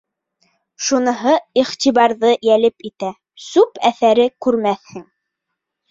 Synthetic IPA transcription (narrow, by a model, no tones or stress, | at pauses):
ʃunɤ̆ɦɤiχt̪iβɑɾðɤjælɘpit̪æ | sʉpæθæɾɘkʉɾmæθhɘŋ